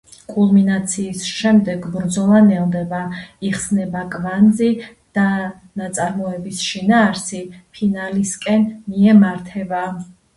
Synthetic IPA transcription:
kʼulˠminat̪sʰiːsʃɛmd̪ɛɡbɾd̪zɔlˠanɛld̪ɛbaiχsnɛbakʼvand̪zi | d̪̥a | nat̪sʼaɾmɔɛbisʃinaːɾsipʰinaliskʼɛnmiɛmaɾt̪ʰɛba

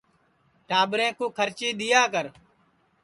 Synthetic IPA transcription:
ʈaːbɾẽːkõːkʰəɾt͡ʃiːɗ̪ɪjaːkəɾ

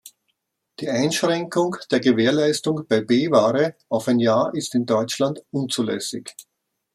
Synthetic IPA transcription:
d̥iːaɪnʃʁ̥ɛŋkʊŋd̥eːɐɡəveːɐlaɪstʊŋb̥aɪbeːvaːʁəʔaʊfaɪnjaːɐʔɪstɪndɔʏt͡ʃlandʔʊnt͡suːlɛ̰sɪç

